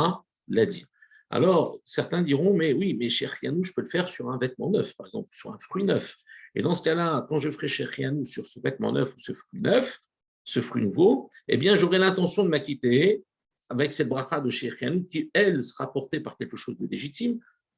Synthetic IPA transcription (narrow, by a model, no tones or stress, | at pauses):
a | lad̪ḭʁ | a̰lɔʁsɛʁt̪ɛ̃d̪iʁɔ̃mɛwimɛʃɛχijanuʒəpøləfɛʁsyʁɛ̃vɛt̪̚mɑ̃nœfpaʁɛɡzɑ̰̃plsyʁɛ̰̃fχɥinœfḛd̪ɑ̃sə̥kalakɑ̃ʒəfə̥χɛʃeχianusyʁsəvɛt̪mɑ̰̃nœ̰fusəfχɥinœf | səfχɥinuvoḛbjɛ̃ʒoʁɛlɛ̃t̪ɑ̃sjɔ̃d̪əmakʲit̪e | avɛksɛt̪̚bʁaχad̪əʃeχjanukʲiɛlsə̥ʁapɔʁt̪epaʁkʲɛlkəʃozd̪əleʒit̪im